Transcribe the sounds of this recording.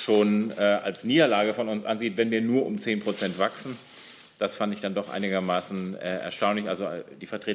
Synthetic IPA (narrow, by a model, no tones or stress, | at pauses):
ʃoːnɛːʔa̰lsniːdɐlaːɡəfɔnʊnsʔanziːtvɛnviːɐnuːɐʔʊmt͡seːnpʁ̥ot͡sɛntv̥aksn̩ | d̥asfandɪçd̥andɔχʔa̰ɪnɪɡɐmaːsn̩ɛːʔɛ̰ɐʃtaʊnlɪçʔa̰lzod̥iːfɛɐtʁeː